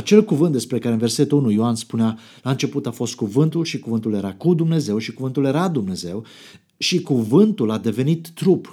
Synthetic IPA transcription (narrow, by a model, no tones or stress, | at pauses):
at͡ʃe̞lkuvɨnt̪̚d̪e̞spɾe̞kaɾeɨnvese̞t̪uunujoanspunea | laɨnt͡ʃe̞put̪afo̞st̪̚kuvɨnt̪ulʃikuvɨnt̪ulje̞ɾakud̪umne̞ze̞wʃikuvɨnt̪ulje̞ɾad̪umne̞ze̞w | ʃikuvɨnt̪ulad̪e̞ve̞nit̪ːɾup